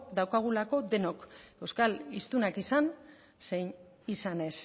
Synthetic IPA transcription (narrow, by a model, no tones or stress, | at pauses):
d̪awkaɣ̞ulako̞d̪e̞no̞ke̞wskalist̪unakisan | se̞jn | isane̞s